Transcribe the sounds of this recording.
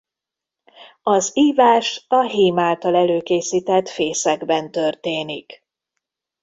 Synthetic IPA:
ɒziːvaːʃɒɦeːmaːlt̪ɒlɛløːkeːsiːt̪ɛt̪feːsɛɡbɛnt̪ø̞rt̪eːnik

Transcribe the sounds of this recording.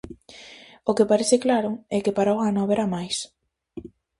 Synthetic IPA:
okepaɾeθɪklaɾʊɛkepaɾaoɣanõaβeɾamajs

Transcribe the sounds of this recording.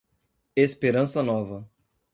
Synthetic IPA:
espeɾɐ̃sɐnɔvɐ

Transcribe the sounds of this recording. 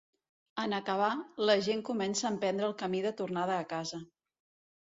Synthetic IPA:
ənəkəβ̞aləʒeŋkumɛnsəːmpɛnd̪ɾəːlˠkəmiðət̪urnað̞əːkazə

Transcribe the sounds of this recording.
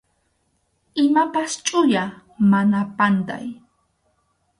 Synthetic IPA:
ɪmapast͡ʃʼʊja | manapand̪a̰j

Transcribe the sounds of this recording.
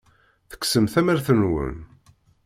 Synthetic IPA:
θə̥ksəmθæmæɾθənwə̰n

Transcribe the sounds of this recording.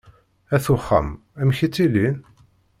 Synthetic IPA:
æθʊχːə̰m | æmçit͡sːilin

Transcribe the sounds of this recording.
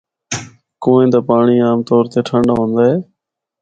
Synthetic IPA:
koːẽːt̪aːpaːɳiːaːmt̪ɔːɾt̪eːʈʰəɳɖaːɦõːnd̪aːɦeː

